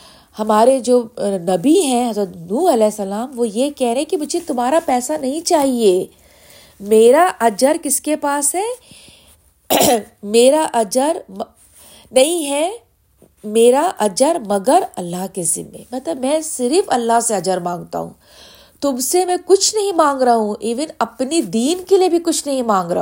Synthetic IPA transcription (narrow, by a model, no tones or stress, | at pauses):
hɐmaːɾed͡ʒoːnɐbiɦɛ̃ɦɐzɾət̪nuːɾɐlɛːsːɐlaːmʋojekɛɦɾẽɦɛ̃kimʊd͡ʒʱet̪ʊmɦaːɾapɛːsanɐɦĩt͡ʃaːɦie | meːɾaʔɐd͡ʒəɾkɪskepaːsɦɛː | meːɾaʔɐd͡ʒəɾm | nɐɦĩɦɛ | meːɾaʔɐd͡ʒəɾmɐɡəɾɐlːaɦkezɪ̰nmḛ̃mɐt̪ləbmɛ̃ːsɪɾɪfɐlːaɦseɐd͡ʒəɾmãːŋɡt̪a̰ɦṵ̃ː | t̪ʊmsemɛ̃kʊt͡ʃʰnɐɦĩmãːŋɡɾaɦũʔiːʋɪnɐpnid̪iːnkeliebʱikʊt͡ʃʰnɐɦĩmãːŋɡɾa̰ː